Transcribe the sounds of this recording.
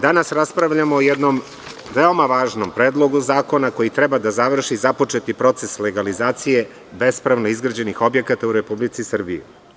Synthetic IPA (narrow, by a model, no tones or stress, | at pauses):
d̪anasɾaspɾaʋʎamoːjɛd̪no̞m | ʋeo̞maʋaːʒnompɾeːd̪lˠo̞ɡuzaːko̞nako̞jit̪ɾebad̪azaʋr̩ʃizapo̞t͡ʃe̞t̪ipɾo̞t̪sesleɡalizaːt̪sije̞ | be̞spɾaʋnoizɡɾad͡ʑe̞nixo̞bje̞kat̪auɾepublit̪sisr̩bḭjṵ